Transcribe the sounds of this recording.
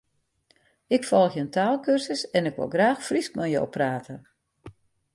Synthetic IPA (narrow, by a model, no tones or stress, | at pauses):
ɪkfɔlˠəxjəəntʰaːlˠkørsəsɛnɪkʋo̰lˠɡraːxfrisk̚mɛjjo̰wpraːtə